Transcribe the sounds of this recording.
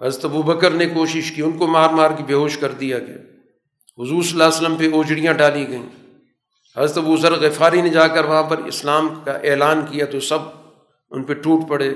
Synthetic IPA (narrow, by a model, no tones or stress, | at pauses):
ɦɐzɾət̪ɐbuːbɐkəɾnekoːʃɪʃkiʊnkomaːɾmaːɾkibʱeːɦoːʃkɐɾd̪ijaɡɐja̰ː | ɦʊzuːɾsɐlːaːsələmpeoːd͡ʒɽijãɖaːliɡɐḭ̃ː | ɦɐzɾət̪ɐbuːzɐɾɣɪfaːɾined͡ʒaːkɐɾʋɐɦãpɐɾɪ̰slaːmkaʔeːlaːnkijat̪osɐb | ʊ̰npeʈuːʈpɐɽeː